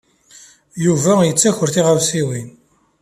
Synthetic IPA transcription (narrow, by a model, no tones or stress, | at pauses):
juvæjət͡sːæçəɾθiʁavsiwin